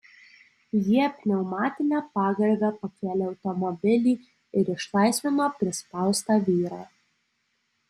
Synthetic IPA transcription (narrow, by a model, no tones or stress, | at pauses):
jiɛpʲnʲɛʊmɑːt̪ʲɪnʲɛːpɑːɡɐɾʲbʲɛpɐkʲeːlʲɛːɒʊt̪ɔmɔbʲɪlʲiː | ɪɾɪʃlˠɑɪsʲʋʲɪːmopʲɾʲɪspɑˑlˠst̪ɑːʋʲiːɾɑː